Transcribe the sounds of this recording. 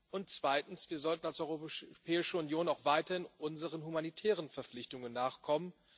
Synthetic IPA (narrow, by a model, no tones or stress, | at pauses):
ʔʊntt͡sv̥aɪtn̩sv̥iːɐzɔltn̩alsʔɔʏʁopʰɛːɪʃəʊnjoːnaʊxv̥aɪtɐhɪnʔʊnzəʁənhumanitʰɛːʁənfɛɐflɪçtʊŋənːaːχkʰɔmən